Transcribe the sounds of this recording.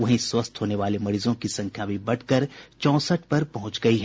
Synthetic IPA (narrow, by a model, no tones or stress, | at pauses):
ʋɐɦĩswɐst̪ɦoːneʋaːlemɐɾiːzõkisɐ̃ŋkʰjaːbʱibɐɽkɐɾt͡ʃɔ̃ːsəʈ̚ʰpɐɾpɐɦʊ̃t͡ʃɡɐiɦɛː